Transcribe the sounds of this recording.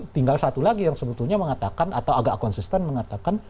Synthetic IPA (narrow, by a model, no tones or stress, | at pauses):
t̪iŋɡalsat̪ulaɡijaŋsəbət̪urɲaməŋat̪akanat̪awaɡaʔkɔnsist̪ɛnməŋat̪akan